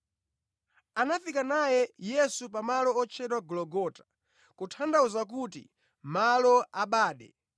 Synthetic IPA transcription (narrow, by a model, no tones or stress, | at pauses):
anafikanajɛjɛsupamalɔɔt͡ʃʰɛtwaɡɔlɔɡɔtḁ | kutʰandauzakutḭ | malɔaɓaːɗɛ̰